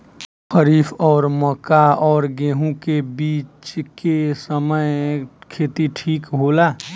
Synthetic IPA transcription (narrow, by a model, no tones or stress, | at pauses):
xəɾiːfɔːɾməkaɔːɾɡẽːɦũkebiːt͡ʃkesəməɪkʰeːt̪iʈʰiːkɦoːlaː